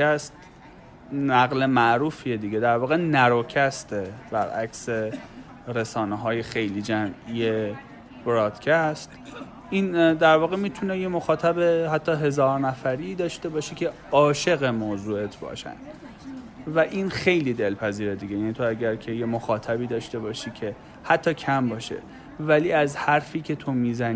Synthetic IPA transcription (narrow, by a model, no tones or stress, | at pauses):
æst̪ | næɣle̞mæʔɾuːfied̪iːɟed̪æɾvɒːɣenæɾocʰæst̪eb̥æɾʔækse̞ | ɾe̞sɒːneɦɒːje̞xe̞jliːd͡ʒæmije | b̥ɾɒːd̪̥cʰæst̪ | ʔiːnd̪æɾvɒːɣemiːt̪ʰuneje̞mo̞xɒːt̪ʰæbe̞hæt̪ʰːɒːɦe̞zɒːɾnæfæɾiːd̪ɒːʃt̪e̞bɒːʃicʰe̞ | ɒːʃe̞ɣe̞moːzuːe̞t̪ʰbɒ̰ːʃæ̰nd̪ | væʔiːnxe̞jliːd̪e̞lpʰæziːɾed̪iɡɟejæːniːt̪ʰoæɟæɾkʰe̞je̞moxɒːt̪ʰæbiːd̪ɒːʃt̪e̞bɒːʃiːcʰe̞ | hæt̪ʰːɒːcʰæmbɒːʃḛ | væliːæzhæɾfiːcʰe̞t̪ʰo̞miːzæn